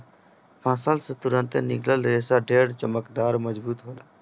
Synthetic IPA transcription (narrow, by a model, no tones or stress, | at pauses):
pʰãːsaːlset̪ʊɾə̃nt̪nɪɡləlɾeːsaːɖeːɽt͡ʃəməkd̪aːɾməd͡ʒbuːt̪ɦoːlaː